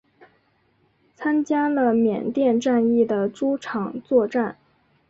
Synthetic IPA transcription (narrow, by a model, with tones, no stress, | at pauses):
t͡sʰa˥nt͡ɕja˥lə˧mjɛ̰˨˩nt̪jɛ˥˧nʈ͡ʂa˥˧ni˥˩d̪ə˩ʈ͡ʂu˥ʈ͡ʂʰɑ˨˩ŋt͡swɔ˥˧ʈ͡ʂa˥˩n